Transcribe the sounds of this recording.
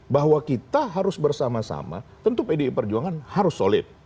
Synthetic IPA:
baɦwakit̪aɦaɾʊsbərsamasa̰ma̰t̪ənt̪upedipərd͡ʒuaŋanhaɾʊsːolɪt̪̚

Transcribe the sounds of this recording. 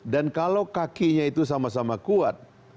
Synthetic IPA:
dankalawkakiɲait̪us̬amasamakuat̪̚

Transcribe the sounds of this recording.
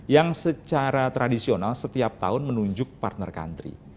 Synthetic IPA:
jaŋsət͡ʃaɾat̪ɾadisionalsət̪iap̚t̪a̰ʊnmənuɲd͡ʒʊk̚pa̰rt̪nə̰rka̰nt̪ɾḭ

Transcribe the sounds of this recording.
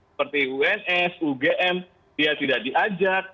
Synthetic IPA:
pərt̪iuɛnɛsuɡeʔɛm | diat̪idakdiʔad͡ʒak̚

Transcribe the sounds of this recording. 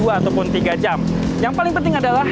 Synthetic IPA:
uaːt̪awpʊnt̪iɡad͡ʒam | jaŋpalɪŋpənt̪ɪŋadalah

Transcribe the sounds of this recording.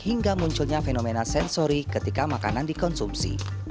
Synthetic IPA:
hiŋɡamuɲt͡ʃʊlɲafenomenasɛnsoɾikət̪ikamaka̰nandikɔnsumpsḭ

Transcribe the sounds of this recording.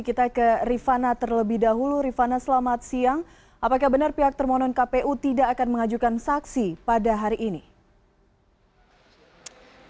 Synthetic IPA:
kit̪akərifanat̪ərləbɪhdaɦuluɾifanasəlamat̪̚siaŋ | ʔapakahbənarpiɦak̚t̪ərmɔnɔnkapeʔut̪idaːkanməŋad͡ʒukansaksipadaɦaɾiʔːni

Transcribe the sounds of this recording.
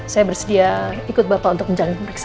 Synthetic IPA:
sajabərsədiaikʊt̪̚bapaunt̪ʊk̚əɲd͡ʒaŋmərɛks

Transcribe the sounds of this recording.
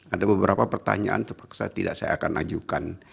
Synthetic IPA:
adabəbəɾapapərt̪a̰ɲaʔa̰nt̪ərpḁksa̰t̪idaʔsaja̰ːkana̰d͡ʒukan

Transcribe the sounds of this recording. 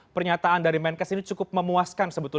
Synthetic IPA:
pərɲat̪aandaɾimɛnkasinit͡ʃukʊp̚məmuaskansəbət̪ʊ

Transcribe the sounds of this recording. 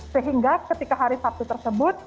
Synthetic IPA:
səɦiŋɡakət̪ikaɦaɾisap̚t̪ut̪ərsəbʊt̪̚

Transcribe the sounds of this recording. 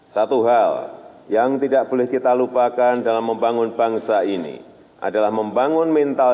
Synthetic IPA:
sat̪uɦaljaŋt̪idaʔb̥olɛhkit̪alupakandalamːəmbaŋʊnbaŋsainḭ | ʔa̰dalahməmbaŋʊnmɛnt̪al

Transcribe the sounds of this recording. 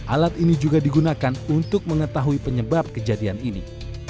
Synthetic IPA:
ʔalat̪inid͡ʒuɡadiɡunakanunt̪ʊk̚məŋət̪aɦuipəɲəbap̚kəd͡ʒadianinḭ

